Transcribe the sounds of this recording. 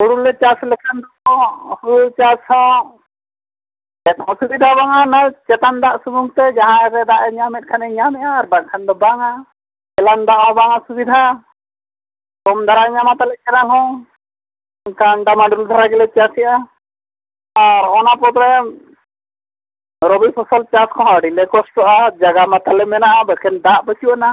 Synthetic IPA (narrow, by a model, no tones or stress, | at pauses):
huɽulɛt͡ʃaslɛkʰand̪ɔkɔhuɾut͡ʃashɔ̃ | d͡ʒɛt̪ɔ̃subid̪ʱabaŋanat͡ʃɛt̪and̪aʔsubuŋt̪ɛd͡ʒaɦãɾɛd̪aʔɛɲamɛt̪̚kʰanɛɲamɛʔaːɾbaŋ̚kʰand̪ɔbaŋa | ɛland̪aʔɦɔ̃baŋasubid̪ʱa | kɔmd̪ʱaɾaɲamat̪alɛt͡ʃɛnalɦɔ̃ | kanɖamaɖuld̪ʱaɾaɡɛlɛt͡ʃasɛʔa | aɾɔnapɔt̪ɾɛ | ɾɔbipʰɔsɔlt͡ʃaskɔ̃ɦãɖilɛkɔsʈɔʔad͡ʒaɡamat̪alɛmɛnaʔabɔkʰɛnd̪aʔbɔsiɔʔna